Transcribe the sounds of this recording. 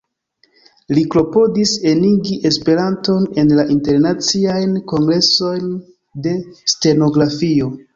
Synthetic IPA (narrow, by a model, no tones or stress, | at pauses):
likɾo̞po̞dise̞niɡiʔe̞spe̞ɾanto̞ne̞nlaʔinte̞ɾnat͡siajnko̞ŋɡɾe̞so̞jn | de̞ste̞no̞ɡɾafio̞